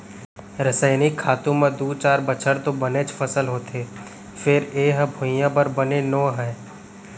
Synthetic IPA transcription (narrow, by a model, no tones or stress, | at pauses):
ɾəsəɪnikʰaːt̪ũmẽd̪uːt͡ʃaːɾbət͡ʃʰəɾt̪obɐnet͡ʃfʰəsəlɦoːt̪eː | fɪɾeːɦbʱʊjãbɐɾbɐnenɔːɦɛ̃ː